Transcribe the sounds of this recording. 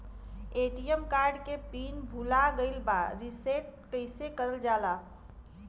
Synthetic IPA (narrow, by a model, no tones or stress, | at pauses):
eʈijəmkaɾɖkepinbʱulaɡəɪlbaɾiseʈ̚kəɪsekəɾəld͡ʒala